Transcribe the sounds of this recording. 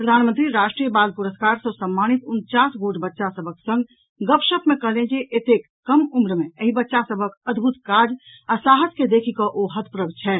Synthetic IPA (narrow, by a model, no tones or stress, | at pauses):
pɾəd̪ʱanmənt̪ɾiɾaʃʈɾijəbalpuɾəskaɾsəsəmːanit̪unt͡ʃasɡoʈbətːʃasəbʱəksə̃ŋɡ | ɡəpʃəpmekəɦlẽd͡ʒeʔet̪ekːəmumɾmeəɦibətːʃasəbʱəkəd̪ʱbʱut̪kad͡ʒ | asaɦəd͡ʒked̪ekʰikɔʔoɦət̪ʰpɾəbt͡ʃʰɛ